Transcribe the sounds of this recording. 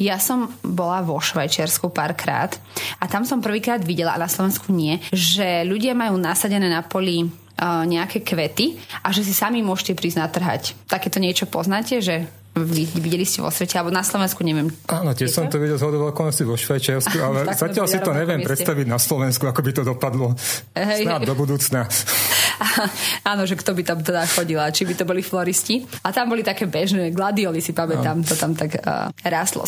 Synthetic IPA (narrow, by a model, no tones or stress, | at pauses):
jasɔmbɔlaʋɔʃʋajt͡ʃɪaɾskupaːɾkɾa̰ːt̪at̪amsɔmpr̩ʋiːkɾaːd̪ʋiɟɛla̰a̰naslˠɔʋɛnskuɲɪɛʒɛʎuɟɪamajuːnasaɟɛnɛːnapɔli | ɲɛakɛːkʋɛt̪iʔaʒɛs̬isamimʊɔʃcɛpɾiːznat̪r̩ɦa̰ct̪akɛːt̪ɔɲɪɛt͡ʃɔpɔznaːcɛʒɛ | ʋiʋiɟɛliscɛʋɔ̰sʋɛcɛalɛbɔnaslɔʋɛnskuɲɛʋɪɛmʔaːnɔt̪ɪɛsɔmt̪ɔʋiɟɛlzɦɔd̪ɔʋɛlkɔnɔstiʋɔʃʋɛjt͡ʃiaʊsualɛzacɪalsiɾɔɲɛʋɪɛmpɾɛt̪st̪aʋiɟnaslɔʋɛnskuakɔbit̪ɔd̪ɔpad̪lɔ | ɦɛjnad̪ɔbud̪uːt͡sna | aaːnɔʒɛkt̪ɔbit̪amt̪ɛd̪axɔɟilat͡ʃibit̪ɔbɔliflɔɾisciat̪ambɔlit̪akɛːbɛʒnɛːɡlad̪iɔlisipamɛt̪amt̪ɔt̪amt̪aɡ̰ɾaːst̪lɔ̰